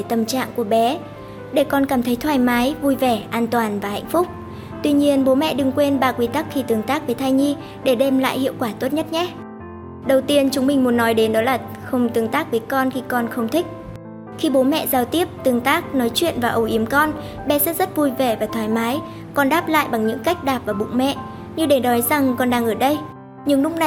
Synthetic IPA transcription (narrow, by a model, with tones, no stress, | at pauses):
t̪ə˨˩mt͡ɕa̰ː˧˨ŋku˧˩əɓɛ˨˦ | ɗe˧˩kɔ˧nkaː˧˩mt̪ʰə˨˦jt̪ʰwaː˧˩jmaː˨˦jvu˧jvɛ˧˩ʔaː˧nt̪waː˨˩nvaː˨˩ha̰˧˨ŋ̟fʊ˦˥k͡p̚ | t̪wi˧ɲi˧ənɓo˨˦mɛ̰˧˨ɗɨ˨˧˩ŋkwe˧nɓaː˧kwi˧t̪a˦˥k̚xi˧t̪ɨ˨˩əŋt̪aː˦˥k̚vəː˨˦jt̪ʰaː˧jɲi˧ | ɗe˧˩ɗe˧mla̰ː˧˨jhḭ˧˨əwkwaː˧˩t̪o˦˥t̚ɲə˦˥t̚ɲɛ˦˥ | ɗə˨˩wt̪i˧ənt͡ɕʊ˨˦ŋ͡mmï˨˩ŋ̟mu˨˦ənːɔ˨˦jɗe˨˦nɗɔ˨˦laː˨˩ | xə˧wŋ͡mt̪ɨ˨˩əŋt̪aː˦˥k̚vəː˨˦jkɔ˧nxi˧kɔ˧nxə˧wŋ͡mt̪ʰï˦˥k̟̚ | xi˧ɓo˨˦mɛ̰˧˨zaː˧˩wt̪i˦˥əp̚t̪ɨ˨˧˩əŋt̪aː˦˥k̚nɔ˨˦jt͡ɕwḭ˧˨ənvaː˨˩ʔə˨˩wʔi˨˦əmkɔ˧n | ɓɛ˧sɛ̰˦˥t̚zə˦˥t̚vu˧jve˧˩vaː˨˩t̪ʰwaː˨˦jmaː˨˦j | kɔ˧nɗaː˦˥p̚la̰ː˧˨jɓa˨˩ŋɲɨ̰˧˥ŋka˦˥jk̟̚ɗaː˨˩p̚vaː˨˩ɓʊ̰˧˨ŋ͡mmɛ̰˧˨ | ɲɨ˧ɗe˧˩ɗɔ˨˦jza˨˩ŋkɔ˧nɗaː˧ŋʔəː˧˩ɗə˧j | ɲɨ̰˧˥ŋnʊ˦˥k͡p̚na˨˩